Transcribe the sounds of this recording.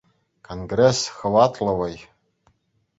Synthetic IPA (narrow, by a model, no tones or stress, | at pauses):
kʰonɡresxəwatʰlawaj